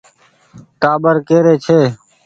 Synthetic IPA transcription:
taːbəɾkeːɾeːt͡ʃʰeː

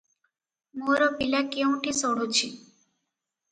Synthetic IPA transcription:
moɾɔpilakeũʈʰisoɽ̤ut͡ʃʰi

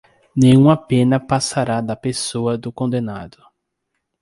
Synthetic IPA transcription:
nẽj̃ũmɐpẽnɐpasaɾad̪ɐpesoɐd̪ʊkõd̪ẽna̰d̪ʊ

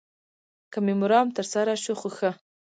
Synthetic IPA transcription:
kamɪmʊɾɑmt̪əɾsaɾaʃuxoxə

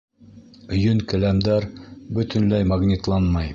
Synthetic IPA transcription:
ɵ̆jɵŋkɘ̆læmd̪æɾbɵ̆t̪ɵ̆nlæjmɑɡnʲit̪lˠɑnmɑj

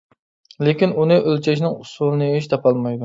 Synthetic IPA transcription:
lekʲinunɨʔølt͡ʃʰɛʃnɪŋusulˠɨnɨeʃ̬t̪ʰɑpʰɑlˠmɑjd̪u

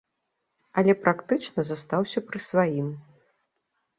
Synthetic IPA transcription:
ɐlʲɛpɾʔakt̪ɨt͡ʂnɐzast̪awsʲɐpɾɨsvajim

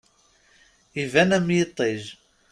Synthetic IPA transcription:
ivænæmjət̪ˤːeʒ

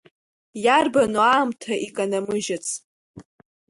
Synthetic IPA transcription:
jarbanuaːmtʰaʔikʼanamɨʒat͡sʰʼ

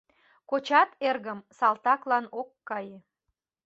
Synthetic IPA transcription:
kot͡ɕɑt̪erɣəmsɑlt̪ɑklɑnokːɑje

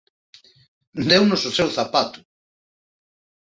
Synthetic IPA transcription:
nd̪ewnʊsosewθapat̪ʊ̥

